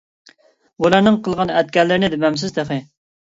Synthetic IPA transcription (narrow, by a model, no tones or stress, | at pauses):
bulˠɑɾnɨŋqʰəlˠʁɑnɛt̪̚kʲɛɾlɪɾnɪd̪ɪbɛms̬ɪzd̪eχɨ